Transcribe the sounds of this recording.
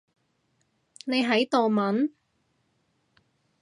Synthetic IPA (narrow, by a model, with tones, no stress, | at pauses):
ne˨˧jɦɐ˨˥jt̪o˨wmɐ˨˥n